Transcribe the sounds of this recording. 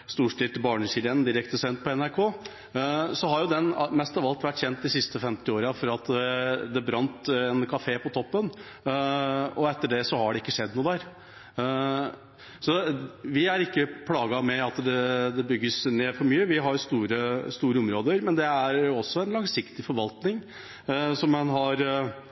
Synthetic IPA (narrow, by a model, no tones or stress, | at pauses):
st̪uːʂʈɪːt̪bɑːɳəɕɪlənd̪ɪɾɛkt̪əsɛnt̪̚pʰɔɛnæɾkʰoː | sɔɦɑɾjʊd̪ɛnmɛst̪ɑʋɑlt̪ʋæʈːçɛnt̪̚d̪ɪsɪst̪əfɛmt̪ɪoːɾɑfɔɾɑt̪ɛd̪ɛbɾɑnt̪ɛnkʰɑfeːpʰɔt̪ʰɔpːən | ɔɛt̪ːəɖɛsɔhɑɖɛɪkːəʂɛd̪nuːd̪æɾ | sɔʋɪæɾɪkːəpʰlɑːɡɑmɛɑt̪d̪ɛd̪ɛbʏɡːəsneːfɔɾmyːəʋɪɦɑɾjʊst̪uːɾəst̪uːɾəɔmɾoːd̪əɾmɛnd̪ɛæɾɔsːɔɛnlɑŋsɪkt̪ɪfɔɾʋɑlt̪nɪŋ | sɔmːɛnɦɑɾ